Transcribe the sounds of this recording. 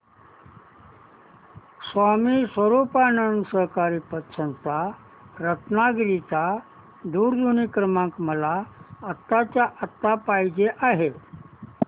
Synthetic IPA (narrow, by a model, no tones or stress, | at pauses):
sʋamiːsʋəɾupanənsəɦkaɾiːpət̪sənt̪a | ɾət̪naɡɾit̪a | d̪uːɾd̪unikɾəmãŋkməlaət̪ːat͡ɕjaʔət̪ːapajd͡ʑeʔaɦe